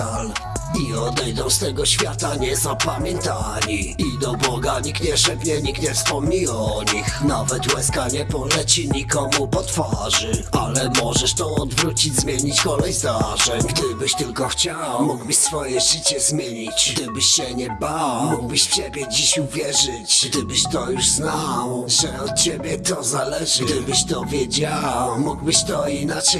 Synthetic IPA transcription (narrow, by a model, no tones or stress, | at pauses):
aliɔd̪ɛjd̪ɔ̃w̃st̪ɛɡɔɕfʲjat̪aɲɛzapamʲjɛnt̪a | liid̪ɔbɔɡaɲikt̪ɲɛʂɛpɲɛɲik̚t̪ɲɛfspɔmɲiwaɔɲixnavɛt̪wɛskaɲɛpɔlɛt͡ɕiɲikɔmupɔt̪faʐɘʔa̰lɛmɔʐɛʂt̪ɔ̃ɔd̪vɾut͡ɕid͡ʑʲzmʲjeɲit͡ɕkɔlɛjzd̪aʐɛɡd̪ɘbɘɕt̪ɘlkɔxt͡ɕawmuɡbɘɕsfɔjɛʐɘt͡ɕɛzmʲjeɲit͡ɕd̪ɘbɘɕɕɛɲɛbawmuɡbɘɕft͡ɕebʲjɛd͡ʑiɕuvʲjɛʐɘt͡ɕɡd̪ɘbɘɕt̪ɔjuʐznawʐɛɔt̪̚t͡ɕebʲjɛt̪ɔzalɛʐɘɡd̪ɘbɘɕt̪ɔvʲjɛd͡ʑawmuɡbɘɕt̪ɔinat͡ʂɛ